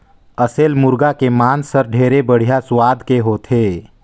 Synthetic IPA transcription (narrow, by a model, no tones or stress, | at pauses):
əseːlmʊɾɡakemaːnsəɾɖʱeːɾebəɽ̤ijaswaːd̪ʱkeɦoːt̪ʰeː